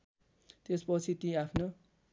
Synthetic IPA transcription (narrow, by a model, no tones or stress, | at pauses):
t̪espʌt͡sʰit̪iapʰno